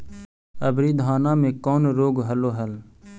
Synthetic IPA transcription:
əbɾiːd̪ʱaːnãːmẽːkɔːnɾoːɡɦəloːɦəl

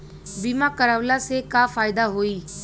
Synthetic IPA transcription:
biːmãːkəɾəʋlaːseːkaːfaːɪd̪aːɦoːiː

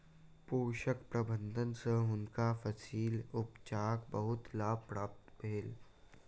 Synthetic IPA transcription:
poːʃəkpɾəbə̃nd̪ʱənsə̃ɦʊnkafəsiːlʊpt͡ʃaːkbəɦʊt̪laːbpɾaːp̚t̪bʱeːl

